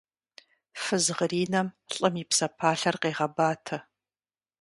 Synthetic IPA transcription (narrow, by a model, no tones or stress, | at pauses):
fɨzʁəriːnɐmɬʼɐmipsɐpʰaːɬɐrqeːʁɐbaːtʰɐ